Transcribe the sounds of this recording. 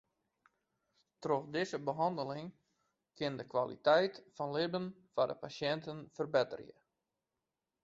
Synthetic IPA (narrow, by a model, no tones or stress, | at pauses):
troxdɪzəbəɦɑndəlɪŋ | kɪndəkʋalḭtɛjtfɔnlɪbən | fadə̰pasjɛntənfərbɪtə̰rjə̰